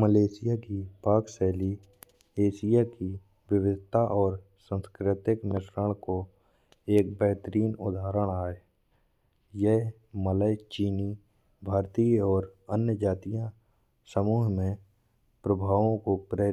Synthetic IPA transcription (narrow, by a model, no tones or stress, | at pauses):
məleːsɪjakipaːksɛːli | eːsɪjaki | ʋɪʋɪd̪ʱt̪aʔɔːɾ | sə̃nskɾɪt̪ɪknɪʃɾəɽ̃ko | eːk̚bɛɦt̪əɾiːnʊ̰d̪ʱaːɾəɽ̃aːe | jɛɦ | mələjt͡ʃiːni | bʱaːɾt̪iɔːɾənjəd͡ʒaːt̪ijã | səmuːɦmẽ | pɾəbʱaːʋõkopɾeː